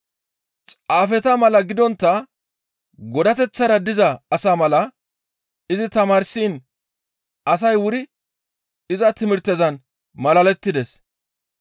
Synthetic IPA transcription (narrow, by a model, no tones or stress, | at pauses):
t͡sʼaːfɛt̪ɐmɐlɐɡɪd̪ɔnt̪ːɐ | ɡɔd̪ɐt̪ɛt͡sːɐɾɐd̪ɪzɐːsaːmɐlɐ | ɪzɪt̪ɐmaːɾsiːn | ɐs̬ɐjwʊɾɪ | ɪzɐt̪ɪmɪɾt̪ːɛzɐn | mɐlɐlɛt̪ːɪd̪ɛs